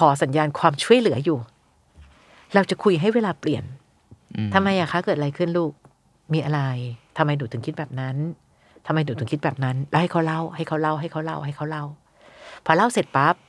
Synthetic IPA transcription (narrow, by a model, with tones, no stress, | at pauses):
kʰɔː˩˦s̬a˩˦njaː˧nkʰwaː˧mt͡ɕʰu˥˩əjlɯ˩˦ɐ˦juː˨˩ | ɾa˧wt͡ɕa˨˩kʰu˧jɦa˥˩jweː˧laː˧pli˨˩ən | t̪ʰa˧mːa˧jːʔaː˨˩kʰa˦˥wkɤː˨˩t̪̚a˧a˧jkʰɯ˥˩nluː˥˩k̚ | miː˧ʔa˧ɾa˧jt̪ʰa˧mːa˧jnuː˩˦t̪ʰɯ˩˦kʰi˦˥t̪̚bɛː˨˩p̚na˦˥n | t̪ʰmːa˧jnuː˨˩˦t̪ɯ˨˩˦kʰi˦˥t̪̚bɛː˨˩p̚na˦˥nla˧˦wha˥˩jkʰa˦˥wla˥˩wha˥˩jkʰa˦˥wla˥˩wɦa˥˩jkʰa˦˥wla˥˩wɦa˥˩jkʰa˦˥wla˥˩w | pʰɔː˧la˥˩wse˨˩t̪̚pa˦˥p̚